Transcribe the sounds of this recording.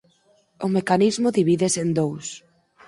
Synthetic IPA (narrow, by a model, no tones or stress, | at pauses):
ʊmekanizmʊðiβiðesend̪ows